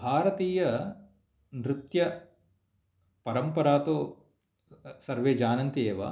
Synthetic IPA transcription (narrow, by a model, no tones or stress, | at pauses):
bʱaːɾɐt̪iːjɐ | nɾɪt̪jɐ | pɐɾɐmpɐɾaːt̪oː | sɐɾʋeːd͡ʒaːnɐnt̪ieːʋɐ̰